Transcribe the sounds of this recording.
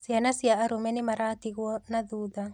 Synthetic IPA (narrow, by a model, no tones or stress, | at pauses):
sianasiaʔːɾumɛnimaɾat̪iɣwɔnaðuːða